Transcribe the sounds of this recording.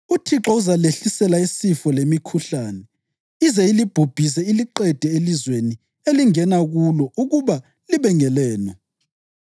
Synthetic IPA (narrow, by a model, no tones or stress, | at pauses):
utʰiǁɔuzaleɬisɛlaisifɔlemikʰuɬaːnɛ | izɛilib̥ʱub̥ʱis̬ɛiliǃɛd̥ʱɛelizweni | eliŋɛnaɣulɔuɣuβa | liβɛŋɛlɛːnɔ